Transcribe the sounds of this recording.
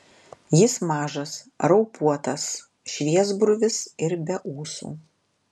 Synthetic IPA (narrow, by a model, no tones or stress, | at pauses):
jɪsmɑːʒɐs | ɾɐʊpuɔt̪ɐs | ʃʲʋʲiɛzbɾʊʋʲɪsɪɾbʲɛʔuːsṵː